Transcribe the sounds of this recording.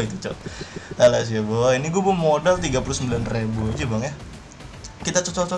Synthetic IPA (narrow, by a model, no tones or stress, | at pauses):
it̪ut͡ʃɔ̰alas̬iabɔiniɡuabmodalt̪iɡapulusəmbilanrebuid͡ʒubaŋja | kit̪at͡ʃɔt͡ʃɔt͡ʃɔ